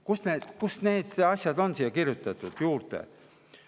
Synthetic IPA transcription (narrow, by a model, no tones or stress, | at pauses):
kusneːd̪̥kusne̞ːd̪̥eɑsʲjɑd̪̥o̞nsiːjɑkirjut̪ːˑɑt̪ːˑud̪̥juːrt̪ḛ